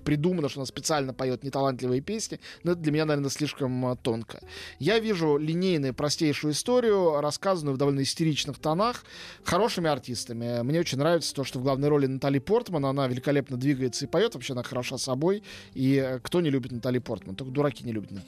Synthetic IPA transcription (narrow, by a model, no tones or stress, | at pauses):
pɾʲɪd̪umənəʂt̪oɐnaspʲɪt̪sɨalʲnəpɐjo̞t̪nʲɪt̪ɐlˠant̪lʲɪvəjəpʲesʲnʲɪnoɛt̪əd̪lʲmɪnʲanɐvʲernəsʲlʲiʂkəmt̪o̞nkʰə̰javʲiʐʊlʲɪnʲejnʊjʊpɾɐsʲtʲejʂʊjʊɪst̪o̞ɾʲɪjʊɾɐskazənʊjʊvd̪ɐvo̞lʲnəɪsʲtʲɪɾʲit͡ɕnɨxt̪ɐnaxxɐɾo̞ʂɨmʲɪɐrtʲist̪əmʲɪmnʲe̞ot͡ɕɪnʲnɾavʲɪt̪sə̥t̪oʂt̪ovɡlˠavnəjɾo̞lʲɪnɐt̪alʲijpo̞rt̪mənɐnavʲɪlʲɪkɐlʲepnəd̪vʲiɡəjɪt̪səɪpɐjo̞t̪vɐpɕːeɐnaxəɾɐʂasɐbo̞jikt̪o̞nʲɪlʲubʲɪt̪nɐt̪alʲijpo̞rt̪mənt̪okəd̪ʊɾɐkʲinʲɪlʲubʲɪt̪n